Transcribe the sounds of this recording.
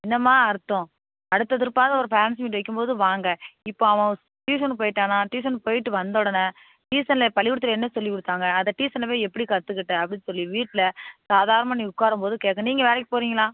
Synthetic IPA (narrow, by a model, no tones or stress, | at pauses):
ɪnːɐmːaːɐɾɯt̪ːʊ̃ | ɐɽɯt̪ːɐt̪ɪɾɯpːaːðɐɔɾɯpɛːɾɐns̬miːʈʋɐk̬ːɯmpoːðɯʋaːŋɡɐɪpːoːɐʋɐ̃ | ʈiːsɐnpoːjɪʈːaːnaːʈiːs̬ɐnpoːjɪʈːɯʋɐnd̪ɔɽɐnɐ | ʈiːsɐnlɐpɐlɪʋʊɽɯt̪ːɯɾɐɛnːɐsɔlːɪkʊɽɯt̪ːaːŋɡɐɐðɐʈiːsɐnlɐʋeːɛpːɐɽikɐt̪ːɯkːɪʈːɯɐpːɐɽɪnːsɔlːiʋiːʈːlɐsaːðaːɾɐnɐmaːnĩːʊkːaːɾɯmpoːðɯkeːkːɐ̃niːŋɡɐʋeːɾɐkːɯ̥poːɾiːŋɡɐlãː